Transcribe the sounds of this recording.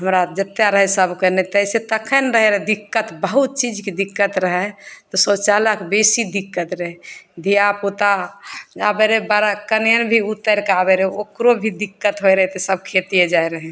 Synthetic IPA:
ɦəmɾad͡ʒət̪ːjaɾəɦɛsəbʱkənet̪əiset̪əkʰənɾəɦɛɾɦɛd̪ikːət̪bəɦut̪̚t͡ʃid͡ʒked̪ikːət̪ɾəɦɛt̪ɔsɔt͡ʃaləkbesid̪ikːət̪ɾəɦɛd̪ʱijaput̪ad͡ʒabeɾebaɾakənjənbʱiut̪ːəɾkabeɾeokɾobʱid̪ikːət̪ɦojɾəɦɛt̪esəb̚kʰet̪ijed͡ʒaeɾəɦɛ̃

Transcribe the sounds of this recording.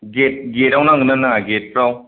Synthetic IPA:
ɡet̚ɡeɾawnaŋɡɯnanaŋaɡet̚pɾaw

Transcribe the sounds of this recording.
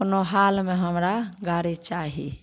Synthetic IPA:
knoɦalmeɦəmɾaɡaɾit͡ʃaɦḭ

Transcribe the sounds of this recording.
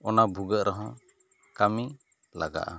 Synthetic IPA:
ɔnabʱuɡəʔɾɔɦã | kami | laɡa̰ʔa̰

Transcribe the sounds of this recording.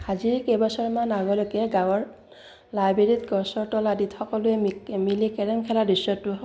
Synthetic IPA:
aziɹkejbasɔɹmanaɡɔlokɛɡãwɔɹ | lajbeɹitɡɔsɔɹtɔladitxɔkɔlʊɛmilikɛɹɛmkʰɛladisɔtːʊɦ

